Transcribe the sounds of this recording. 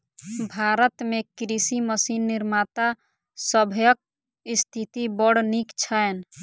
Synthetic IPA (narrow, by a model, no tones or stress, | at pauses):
bʱaɾət̪mekɾisiməsinːiɾmat̪a | səbʱjək̚ | ist̪ʰit̪ibɔɽnikt͡ʃʰəen